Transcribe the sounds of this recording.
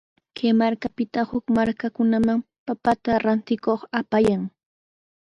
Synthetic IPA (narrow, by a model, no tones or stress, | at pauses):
kʰemaɾkapɪt̪ahʊkmaɾkakʊnamaŋ | papat̪aɾant̪ɪkoχapajaŋ